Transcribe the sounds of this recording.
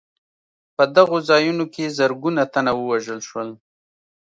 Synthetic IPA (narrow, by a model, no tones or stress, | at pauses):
pəd̪aɣozɑjunokezəɾɡunat̪anawəwaʒəlʃwəl